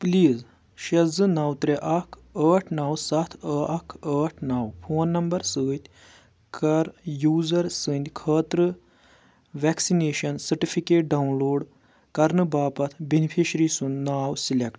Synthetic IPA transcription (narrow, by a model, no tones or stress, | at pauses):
pliːz | ʃɐzɨnaːwt̪ɾeʔɐkʰ | əːʈʰnaːwsɐt̪ʰəːɐkʰəːʈʰnaːwpʰoːnːɐmbɐɾsɨːt̪ʲ | kɐɾjuːzɐɾsɨnʲd̪ʲkʰəːt̪ɾɨ | ʋɛksineːʃɐnsɐɾʈifʰikeːʈ̚ɖɐwnloːɖ | kɐɾnɨbaːpɐt̪ʰbenipʰiʃɾiːsunnaːwsilʲekʈ